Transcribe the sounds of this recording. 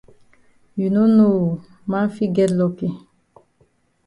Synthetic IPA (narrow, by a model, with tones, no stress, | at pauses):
ju˨nu˦nu˦˨ | ma˦fi˦ɡɛ˦lɔ˨ki˦